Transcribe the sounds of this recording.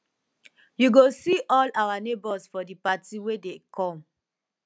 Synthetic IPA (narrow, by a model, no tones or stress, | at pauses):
juɡosiʔɔlawanebɔsfɔdipatiwedekʰɔ̃m